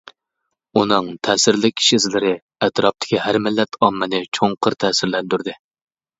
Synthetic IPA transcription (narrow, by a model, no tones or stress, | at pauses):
unɨŋt̪ʰɛːsɪɾlɪk̚ʲʰi̥ʃzlɪɾɪ | ɛt̪ɾɑp̚t̪ʰɪ̥kʲʰihæɾmɪlːɛt̪ʰɑmːɨnɨt͡ʃʰoŋqʰəɾt̪ʰɛːsɪɾlɛnd̪yɾd̪ɪ